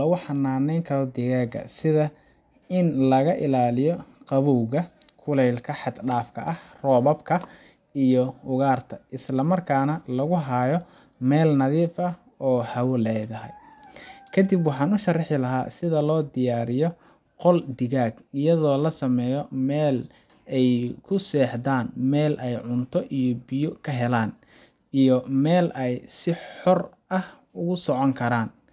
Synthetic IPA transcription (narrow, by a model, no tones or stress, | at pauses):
lɐɣʊħɑnaːnɛjŋkʰɐɾɔd̪ɪɣaːɡɐ̰sɪðɐ | ɪnlɐɣɐʔɪlaːlɪjɔqɑβɔwɣɐkʰʊlɛjlkʰɐħɑd̪ɖaːfkʰɐ̰ʔɐhrɔːβɐbkʰɐ | ijɔʊɣaːrt̪ʰɐʔɪslɐmɐrkʰaːnɐlɐɣʊɦajɔ | mɛːlnɐðiːfɐ | ɔːhɐwʊlɛjðɐɦɛ̰j | kʰɐd̪ibwɑħɑːnʊʃɐrɑħɪlɐɦa̰ːsɪðɐlɔːd̪ɪjaːɾɪjɔ | qɔld̪ɪɣaːɡɪjɐðɔːlɐsɐmɛːjɔmɛːl | ɛjkʰʊsɛːħd̪aːnmɛːlʔɛjʕʊnt̪ʰɔʔijɔbɪjʊkʰɐɦɛlaːn | ijɔmɛːlʔɛjsɪħɔr | ʔɐh | ʊɣʊsɔʕɔŋkʰɐɾaːn